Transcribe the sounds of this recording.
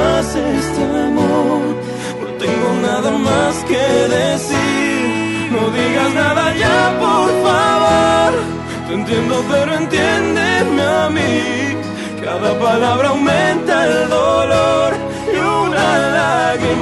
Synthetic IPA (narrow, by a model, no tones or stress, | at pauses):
sest̪eemooɾ | nõt̪ẽŋɡonaðamaskeðesiɾ | nõwðiɣaznaðɐʎapoɾfaβoɾ | t̪ẽnt̪jẽnd̪opeɾoẽnt̪end̪eɾmeami | kaðɐpalaβɾɐaawmẽnt̪aeld̪oloɾ | iunalaɣɾim